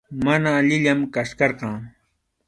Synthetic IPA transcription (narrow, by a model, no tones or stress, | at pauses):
manaːʎɪʎamkaʃkɑɾqɑː